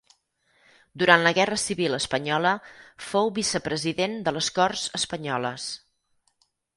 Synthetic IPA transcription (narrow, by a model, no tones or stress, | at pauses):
d̪uɾanləɣɛrəsiβiləspəɲɔləfowβisəpɾəziðend̪ələskɔrzəspəɲɔləs